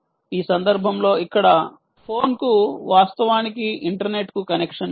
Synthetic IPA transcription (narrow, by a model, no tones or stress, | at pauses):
iːsɐnd̪ɐɾbʱɐmlo̞ːikːɐɽɐ | pʰo̞ːnkuʋaːst̪ɐʋaːnikiiɳʈɐɾne̞ʈkukɐnekʂɐn